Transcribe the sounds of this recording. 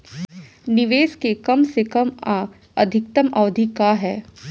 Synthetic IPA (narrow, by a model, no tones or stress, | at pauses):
nɪʋeːskekɐmsekɐm | ɐd̪ʱɪk̚t̪əmɐʋd̪ʱikaɦɛː